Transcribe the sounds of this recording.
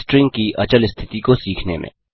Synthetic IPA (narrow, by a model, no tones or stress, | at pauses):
sʈɾɪ̃ŋɡkiʔɐt͡ʃəlɪst̪ʰɪt̪ikosiːkʰnḛmḛ̃